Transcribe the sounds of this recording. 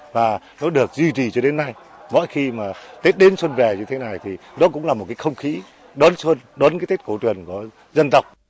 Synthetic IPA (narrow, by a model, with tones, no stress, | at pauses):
vaː˨˩ | nɔ˨˦ɗɨ˨˩ək̚zwi˧t͡ɕi˨˩t͡ɕɔ˧ɗe˨˦nːa˧j | mɔ̰˧˨jxi˧maː˨˩t̪e˦˥t̚ɗe˨˦nswə˧nvɛ˨˩ɲɨ˧t̪ʰe˨˦na˨˩jt̪ʰi˨˩ɗɔ˨˦kʊ̰˧˥ŋ͡mlaː˨˩mo˨˩t̚kaː˨˦xə˧wŋ͡mxi˨˦ | ɗɔ˨˦nswə˧nɗɔ˨˦nkaː˨˦t̪e˦˥t̚ko˧˩t̪wi˨˩ənkɔ˧˩ə | zə˧nt̪ə˨˩wk͡p̚